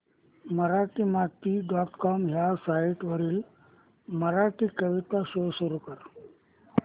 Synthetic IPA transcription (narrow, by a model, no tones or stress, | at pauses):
məɾaʈimat̪iɖɔʈkɔmɦjasaiʈʋəɾiːl | məɾaʈiːkəʋit̪asosuɾukəɾ